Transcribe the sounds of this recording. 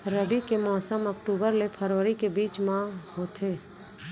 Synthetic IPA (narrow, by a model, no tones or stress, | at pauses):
ɾəbikemaːsəməkʈuːbəɾlepʰəɾəɾikebiːt͡ʃmãhoːt̪ʰeː